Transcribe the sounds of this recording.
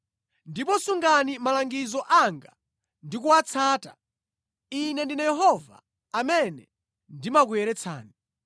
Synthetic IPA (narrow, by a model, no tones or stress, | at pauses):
ndipɔsuŋɡanimalaŋɡizɔʔaŋɡa | ndik̬uat͡sʰaːta | inɛndinajɛɦɔva̰ː | mɛnɛ | ndimak̬uɛɾɛt͡sʰa̰ːni